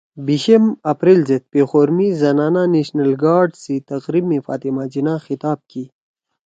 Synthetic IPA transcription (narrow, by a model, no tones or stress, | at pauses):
biɕemɐpɾelzet̪̚pexoːɾmizɐnaːnaneɕnɐlɡaːɾɖsit̪ɐqɾibmifa̰ːt̪imad͡ʑinaxɪt̪aːb̚ki